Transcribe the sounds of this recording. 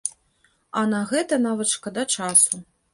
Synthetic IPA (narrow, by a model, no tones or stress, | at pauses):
ɐnɐɣɛt̪ɐnavɐt̪ʂkɐd̪ɐt͡ʂasu